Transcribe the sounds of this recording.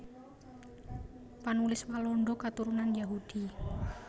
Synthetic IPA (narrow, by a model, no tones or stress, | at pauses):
panulɪswalɔɳɖɔkat̪uɾunanjaɦud̪̥i